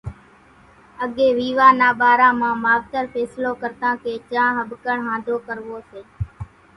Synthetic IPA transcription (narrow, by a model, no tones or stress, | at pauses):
əɠeːʋiːʋaːnaːɓaːɾãːmãːmaːʋt̪əɾpʰɛːsloːkəɾt̪ãːkeːt͡ʃãːɦəbkəɳɦãːnd̪ʱoːkəɾʋoːseː